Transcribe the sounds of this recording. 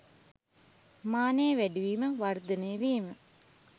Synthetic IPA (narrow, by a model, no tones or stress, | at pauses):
maːnejəʋæɖiʋiːməʋard̪ənəjːʋiːmə